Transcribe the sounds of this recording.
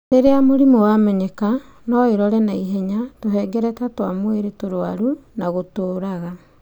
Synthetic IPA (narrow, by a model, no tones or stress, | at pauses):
teɾeamoɾimowamɛɲɛka | nɔiɾɔɾɛnaiɦɛɲatoɦɛɡɛɾɛtatwamoweɾetoɾoaɾunaɣotoːɾaɣa